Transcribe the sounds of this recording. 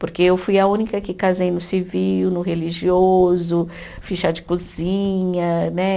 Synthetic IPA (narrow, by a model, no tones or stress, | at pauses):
poɾkeewfujɐũnikɐkɪkazejnʊsivijʊnʊɦeliʒiozʊ | fiʃad͡ʒɪkuzĩɲɐnɛ